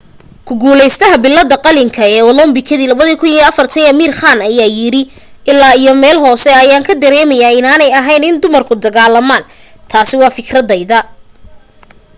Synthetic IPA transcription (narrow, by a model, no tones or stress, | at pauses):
kʰʊɡuːlɛjst̪ʰɐɦɐbɪlːɐd̪ɐqɑlɪŋkʰɐɛːwɐlɔmbɪkʰɐðiːlɐβɐðiːkʰʊniːɐfɐrt̪ʰɐnɐmiːrχaːnɐjaːjɪɽɪ | ʔɪlːaːijɔmɛːlɦɔːsɛɐjaːŋkʰɐd̪ɐɾɛːmɐjaːɪnaːnɛjɐɦɛjnɪnd̪ʊmɐrkʰʊd̪ɐɣaːlɐmaːn | t̪ʰaːsɪwɑːfɪkʰrɐd̪ɛjðɐ